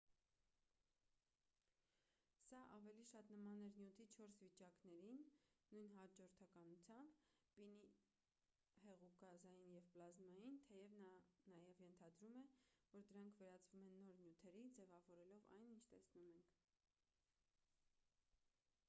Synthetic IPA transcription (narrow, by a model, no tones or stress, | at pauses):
sɑʔɑvɛliʃɑt̪nəmɑnɛɾnjut̪ʰit͡ʃʰɔɾsvit͡ʃɑknɛɾinːujnɦɑd͡ʒɔɾt̪ʰɑkɑnut͡sʰjɑmb | pini | hɛʁukɑzɑjinjɛvplɑzmɑjint̪ʰɛjɛvnɑjɛvjɛnt̪ʰɑd̪ɾumɛvɔɾd̪əɾɑŋkʰvɛɾɑt͡svumɛnːɔɾnjut̪ʰɛɾid͡zɛvɑvɔɾɛlɔvɑ̰jnint͡ʃʰt̪ɛsnumɛŋkʰ